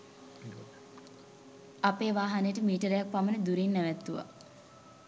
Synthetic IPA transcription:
apeːʋaːɦanəjəʈəmiːʈəɾejak̚pamənəd̪uɾinːæʋæt̪ːuʋa̰

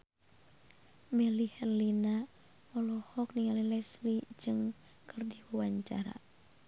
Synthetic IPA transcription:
mɛlihɛrlina | ɔlɔhɔk̚niŋalilɛslid͡ʒɨŋ | kərdiwawaɲt͡ʃa̰ɾa̰

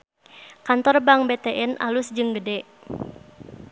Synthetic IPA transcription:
kant̪ɔrbaŋbet̪ɛʔɛnʔa̰lusd͡ʒɨŋɡədɛ

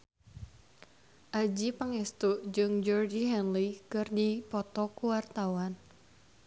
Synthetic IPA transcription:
ʔad͡ʒipaŋɛst̪ud͡ʒɨŋd͡ʒɔrd͡ʒiɦɛnlikɨrdipɔt̪ɔkuwart̪awan

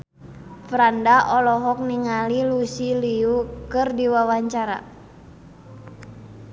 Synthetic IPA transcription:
fɾandaʔɔlɔɦɔk̚niŋalilusiliukɨrdiwawaɲt͡ʃaɾa̰

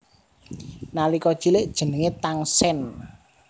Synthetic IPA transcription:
nalikɔd̥ʒ̥ilɪʔd̥ʒ̥ə̤nəŋet̪aŋsɛn

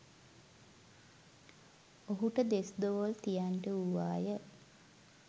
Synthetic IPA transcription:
oɦuʈəd̪esd̪oʋolt̪ijanʈəuʋa̰ːjə

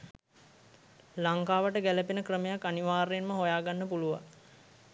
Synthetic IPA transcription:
laŋkaːʋəʈəɡæləpinəkrəmejakːaniʋaːɾenməɦojaːɡanːəpuluʋa̰

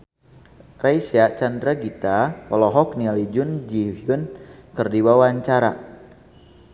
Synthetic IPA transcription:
rajsiaʔt͡ʃandɾaɡit̪apɔlɔɦɔk̚nialid͡ʒʊnd͡ʒihijʊnkɨrdiwawaɲt͡ʃaɾa̰

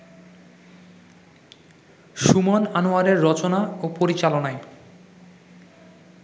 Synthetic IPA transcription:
ʃumonanoaɾeɾːɔt͡ɕonaopoɾit͡ɕalonae

